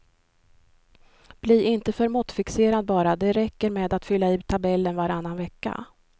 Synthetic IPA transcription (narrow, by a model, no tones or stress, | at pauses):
b̥liːʔɪnt̪əfœɾmʊt̪fɪkseːɾad̪̚bɑːɾad̪ɛɾɛkːəɾmeːd̪at̪fʏlːaɪːt̪ʰabɛlːənvaɾanːanvɛkːa̰